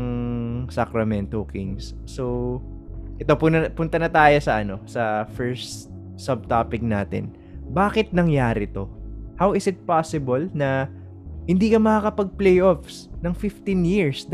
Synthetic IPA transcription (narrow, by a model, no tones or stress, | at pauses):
ŋsɐkɾɐmɛnt̪okiŋsːo | ʔɛt̪o̞pʊnɐpʊnt̪ɐnɐt̪aːjo̞sɐʔɐno̞sɐfɛɹst̪ | sɐb̚t̪aːpɪk̚naːt̪ɪ̰n | baːkɪt̪̚nɐŋjaːɾɪt̪o̞hawɪsɪt̪̚pasɪbolnɐ | hɪnd̪iːkɐmɐkaːkɐpɐɡ̚plejʔofsnɐŋfɪft̪injiɹsd̪